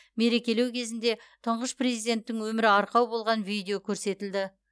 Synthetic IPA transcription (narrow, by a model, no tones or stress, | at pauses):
me̞ɾe̞kʲe̞le̞wkʲʰe̞zɪnd̪e̞t̪ʰəɴʁəsprezijd̪e̞nt̪ːɪŋwɵmɪɾɪɑɾqɑwbolˠʁɑnvijd̪ʲejokʲʰɵɾse̞t̪ɪld̪ɪ